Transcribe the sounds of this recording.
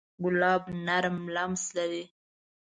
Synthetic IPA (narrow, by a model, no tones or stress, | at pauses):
ɡʊlɑːbnaɾmlamslaɾi